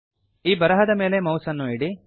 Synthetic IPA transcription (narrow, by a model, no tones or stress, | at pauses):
iːbɐɾɐɦɐd̪ɐme̞ːle̞mɐwsɐnːuiɽi